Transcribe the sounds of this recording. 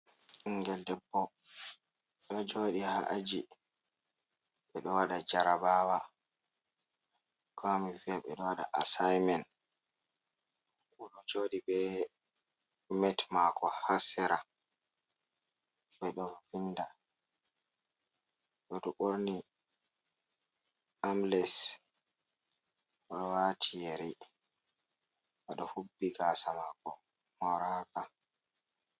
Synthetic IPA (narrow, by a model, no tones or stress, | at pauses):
iŋɡɛldɛbːɔ | ɗɔd͡ʒoɗihaʔad͡ʒi | ɓɛɗɔwaɗad͡ʒaɾabaːwa | kʰomifiaɓɛɗɔwaɗa̰ʔasajmɛn | uɗɔd͡ʒoɗibɛ | mɛtmakɔhasɛɾa | ɓɛɗɔfɔfinda | ɗɔdɔɓoɾni | amlɛs | ʔɔɗɔwatʰijeɾi | ɓaɗɔhubːiɡasamakɔ | mɔɾaka